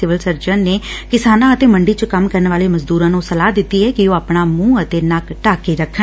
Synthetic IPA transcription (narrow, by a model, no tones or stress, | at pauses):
sɪʋəlsəɾd͡ʒənːeːkɪsaːnãːət̪eːməɳɖiːt͡ʃəkəmkəɾənʋaːleːməzd̪uːɾãːnũːsəlaːd̪ɪt̪ːiːɦɛːkɪoːaːpɳaːmũːət̪eːnakʈaːkeːɾəkʰːən